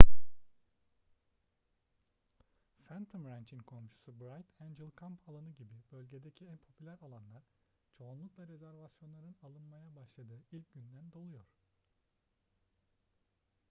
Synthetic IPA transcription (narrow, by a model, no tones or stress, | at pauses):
fænt̪ʰomɾant͡ʃʰinkʰo̞mʃu̥subɾajt̪ʰænd͡ʒilˠkʰampʰalˠanɯɟibibø̞lʲɟe̞d̪ecʰiænpʰo̞pʰylʲæɾalˠanlˠaɾ̥ | t͡ʃʰo̞ːnlˠuklˠaɾe̞zæɾvasjo̞nlˠaɾɯnalˠɯnmajabaʃlˠad̪ɯːilʲcɟynd̪ænd̪o̞lˠujo̞ɾ̥